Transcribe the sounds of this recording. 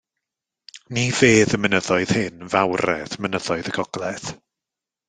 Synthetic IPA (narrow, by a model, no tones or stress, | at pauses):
niv̥eːðəmənəðɔɨð̥hɪnvawɾɛ̰ðmənəðɔɨðəɡɔɡ̥lˠɛθ